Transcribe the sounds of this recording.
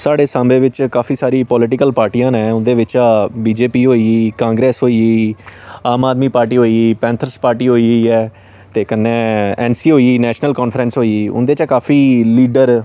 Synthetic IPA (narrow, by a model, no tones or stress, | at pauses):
saːɽeːsãːmbẽːʋɪt͡ʃkaːfʰiːsaːɾiːpɔːlɪʈɪkəlpaːɾʈiːjãːnɛ̃ːʊnd̪eːʋɪt͡ʃaːbiːd͡ʒeːpiːɦoːiːiːkãːŋɡɾɛːsɦoːiːiːaːmaːd̪miːpaːɾʈiːɦoːiiːpɛ̃ːnt̪ʰəɾspaːɾʈiːɦoːiːɛː | t̪eːkənːẽːɛːnsiːɦoːiiːnɛːʃnəlkaːnfʰɾɛːnsɦoːiiːʊ̰nd̪eːt͡ʃakaːfʰiːliːɖəɾ